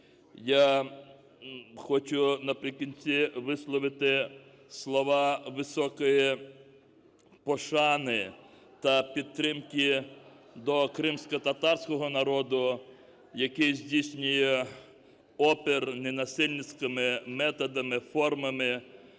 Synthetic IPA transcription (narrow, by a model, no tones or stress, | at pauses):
ja | xɔt͡ʃʊnɐpɾʲɪkʲinʲt͡sʲiʋɪslˠɔʋɪt̪ɪ | slˠɔʋɑʋɪsɔkɔji | pɔʃɑnɪ | t̪ɐpʲid̪̚t̪ːɾɪmki | d̪ɔkɾɪmsʲkɔt̪ɐt̪ɑrsʲkɔɦɔnɐɾɔd̪ʊ | jɐkɪjzʲdʲijsʲnʲʊjɛ | ɔpernenɐsɪlʲnɪt͡sʲkɪmɪmɛt̪ɔd̪ɐmɪfɔrmɐmɪ